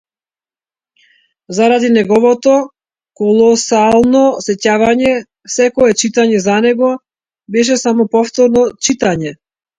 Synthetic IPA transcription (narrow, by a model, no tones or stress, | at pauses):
zaɾad̪inɛɡɔvɔt̪ɔ | kɔlˠɔsalˠnɔsɛcavaɲɛ | sɛkɔɛt͡ʃit̪aɲɛzanɛɡɔ | bɛʃ̬ɛsamɔpɔft̪ɔɾnɔt͡ʃit̪aɲɛ